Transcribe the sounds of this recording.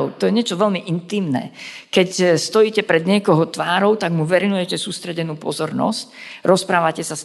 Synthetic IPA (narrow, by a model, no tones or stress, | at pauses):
ʊt̪ɔjɛɲɪɛt͡ʃɔʋɛʎmiʔint̪iːmnɛ̰kɛcst̪ɔjiːcɛpɾɛd̪ɲɪɛkɔɦɔt̪ʋaːɾɔʊt̪aɡmuʋɛɾinujɛcɛsuːst̪ɾɛɟɛnuːpɔzɔɾnɔ̰sc̚ɾɔspɾaːʋacɛsas